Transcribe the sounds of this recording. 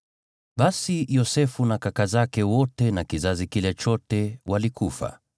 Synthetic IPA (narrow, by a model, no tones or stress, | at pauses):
ɓasijɔsɛfunakakazakɛwɔtɛnakizazikilɛt͡ʃɔtɛwalikufa̰